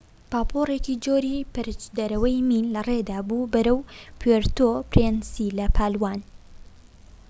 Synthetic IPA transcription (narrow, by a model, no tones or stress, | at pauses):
paːpʰoreːcid͡ʒoːɾipɨɾɨt͡ʃd̪ɐɾɐwɐjmiːnlɐred̪aːbuːbɐɾɐwpʰweɾt̪opɾensilɐpʰaːlwaːn